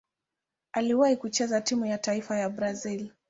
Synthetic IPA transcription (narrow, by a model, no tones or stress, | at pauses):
aliwaikut͡ʃɛzatimujataifajabɾazil